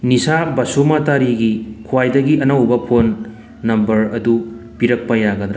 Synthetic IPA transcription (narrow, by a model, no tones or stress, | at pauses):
nisabɐsumataɾiɡikʰuwajdɐɡiɐnɐwbɐpʰonː | ɐmbɐɾɐdupiɾɐk̚pɐjaɡɐdɾa